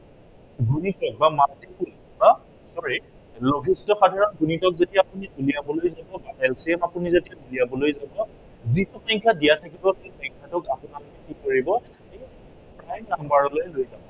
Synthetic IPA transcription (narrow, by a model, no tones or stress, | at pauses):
ɡunitɔk̚bamatikul | ba | sɔɹi | loɡʱistɔxadʱaɹɔnɡunitɔk̚zetiaapunibuliabɔlojzabɔbaʔɛlsiɛmapunizetiabuliabɔlojzabɔ | zitupɔŋkʰadijatʰakibɔkepaŋkʰatʊkapʊnalɔkɛkikoɹibɔ | ej | pɹajnambaɹɔlojlojzabɔ